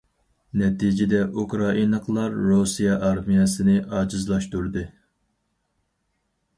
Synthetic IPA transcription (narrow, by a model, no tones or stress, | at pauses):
nɛt̪id͡ʒɪd̪ɛʔukɾɑinəqʰlˠɑɾːusijɑʔɑɾmijɛsɪnɪʔɑːd͡ʒizlˠɑʃt̪uɾd̪ɨ